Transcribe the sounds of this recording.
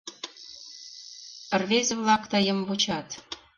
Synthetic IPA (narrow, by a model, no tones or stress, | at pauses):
ə̆rβezĕβlɑkt̪ɑjə̆mvot͡ɕɑt̪